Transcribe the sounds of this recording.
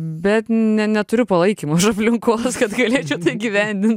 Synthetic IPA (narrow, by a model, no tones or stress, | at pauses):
bʲɛt̪nʲɛnʲɛt̪ʊɾʲʊpɐlˠɐɪkʲimɐʊʃɐpʲlʲɪŋkoːskɐt̪ɡɐlʲeːt͡ʃʲɛʊt̪ɐɪɡʲiʋʲænʲd̪ʲɪnt̪